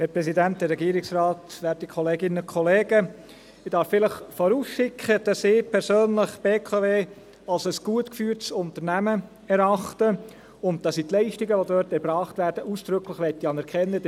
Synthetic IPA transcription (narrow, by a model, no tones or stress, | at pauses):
hɛːɾpɾɛsidænt̚d̥ɛrːɛɡiːɾɪksrɑːtʋɛːd̥ikʰɔleːɡɪnənʊnkʰχɔleːɡ̥ə | ɪd̥ɑɾffɪləχfɔɾuːsʃɪkʰχəd̥ɑsɪːpʰɛɾsøːnləχb̥eːkʰɑveː | ɑlsəsɡ̥uətkfyːɾtsʊnt̪əɾnæmə | ɛɾɑχtə | ʊnt̚d̥ɑsit̪lɛɪʃtɪɡəʋodøɾtɛɾb̥ɾɑːχtvæːɾd̥əʔuːsd̥ɾʏkləχʋɛt̪ːiɑnɛɾkʰɛnːəd